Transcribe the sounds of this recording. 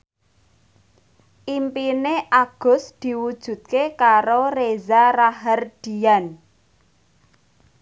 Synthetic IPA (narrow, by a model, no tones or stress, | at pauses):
ʔimpineʔaɡ̥ʊ̤sd̪̥i̤wud̥ʒ̥ṳt̪̚kekaɾorezaraɦərd̪̥i̤an